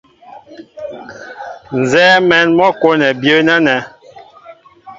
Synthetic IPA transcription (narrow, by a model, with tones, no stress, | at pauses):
n˨zɛː˦mɛ˨˦nmɔ˦ko˦nɛ˨bjə˦nɛ˦nɛ˨˦